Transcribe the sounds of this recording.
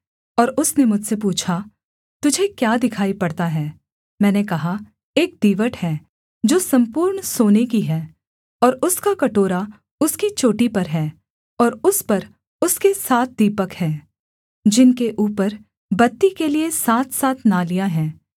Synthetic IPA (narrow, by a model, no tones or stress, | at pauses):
ɔːɾʊsnemʊd͡ʒʱsepuːt͡ʃʰa | t̪ʊd͡ʒʱekjaːd̪ɪkʰaːipɐɽt̪aɦɛː | mɛ̃ːnekɐɦa | eːk̚d̪iːʋəʈhɛː | d͡ʒoːsɐ̃mpuːɾɳsoːnekiɦɛː | ɔːɾʊskakɐʈoːɾa | ʊskit͡ʃoːʈipɐɾɦɛː | ɔːɾʊspɐɾ | ʊskesaːt̪̚ʰd̪iːpəkhɛː | d͡ʒɪnkeʔuːpəɾ | bɐt̪ːikeliesaːt̪ʰsaːt̪ʰnalijaɦɛː